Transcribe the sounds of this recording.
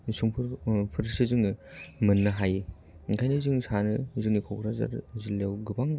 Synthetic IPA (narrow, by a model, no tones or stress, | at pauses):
nsuŋpʰɾpʰɯɾsɯzɯŋnɯmɯnːɯɦaj | iŋkʰajnɯzɯŋsanɯzɯŋnikʰowkʰɾaza̰ɾzilːewɡɯbaŋ